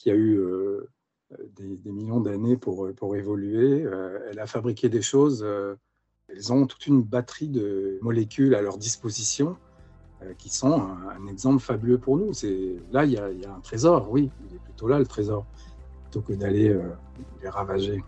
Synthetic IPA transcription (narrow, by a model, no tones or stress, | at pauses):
kʲiayø | d̪ed̪emiljɔ̃d̪anepuʁøpuʁevɔlyeøɛlafabʁikʲed̪eʃozø | ɛlzɔ̃t̪u̥t̪ynbat̪χid̪əmɔlekʲylalœʁd̪ispozisjɔ̃ | økʲisɔ̃ɛ̃ɛ̃nɛɡzɑ̃pləfabyløpuʁnusɛlailjailjaɛ̃t̪χezɔʁwiilɛplyt̪olalət̪χezɔʁ | plyt̪okəd̪aleø | leʁavaʒe